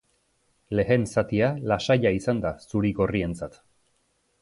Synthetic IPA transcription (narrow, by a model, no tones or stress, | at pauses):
le̞ɣe̞nsat̪ialasaʎaisand̪asuɾiɣo̞rie̞nt͡sat̪